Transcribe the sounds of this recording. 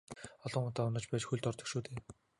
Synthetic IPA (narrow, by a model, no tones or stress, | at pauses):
ɔɮɞ̆ŋʊt̪aːʊnɞ̆t͡ɕpæːt͡ɕxuɮt̪ɔrt̪ɵ̆kʃoːt̪eː